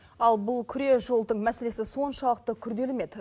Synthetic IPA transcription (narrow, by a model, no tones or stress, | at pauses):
ɑlˠbʊlˠkʲʰʏɾe̞ʒo̞lˠd̪əɴmæse̞le̞sɪso̞nʃɑlˠəq̚t̪əkʲʰʏɾd̪e̞lɪme̞d̪ɪ